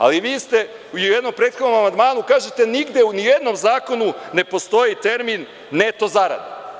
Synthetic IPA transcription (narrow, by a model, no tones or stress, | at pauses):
a̰liʋiːst̪e̞ | uiujed̪no̞mpɾe̞ːt̪xo̞d̪no̞mamand̪maːnukaːʒet̪eniɡd̪jeunije̞d̪no̞mzaːko̞nune̞po̞st̪o̞jit̪e̞ɾminː | et̪oːzaɾa̰d̪a